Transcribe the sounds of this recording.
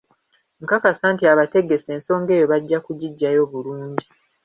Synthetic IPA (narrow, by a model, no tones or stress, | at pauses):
ŋ̩kakasaːntiaβate̞ɡe̞se̞ːnso̞ːŋɡe̞ːjo̞βaɟːakuɟiɟːajo̞ːβuluːɲɟi